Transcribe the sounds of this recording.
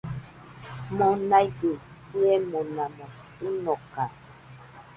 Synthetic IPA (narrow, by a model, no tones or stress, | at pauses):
mɔnajdu | kuɛmɔnamɔtunɔka